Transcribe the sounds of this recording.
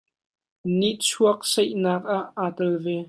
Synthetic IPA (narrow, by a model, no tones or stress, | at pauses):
niʔt͡sʰuək̚sɛjʔnaːk̚aʔːaːtɐlvɛ